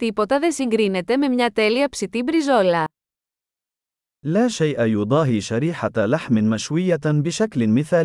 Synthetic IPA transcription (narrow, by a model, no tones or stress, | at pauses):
t̪ipo̞t̪ɐðe̞nsiŋɡɾine̞t̪e̞me̞mɲɐt̪e̞liɐpsit̪ibɾizo̞lɐ | laːʃɛjʔajud̪ˤɑːɦiʃaɾiːħaalaħmɪmaʃwɪjːabɪʃaklɪnmɪθaː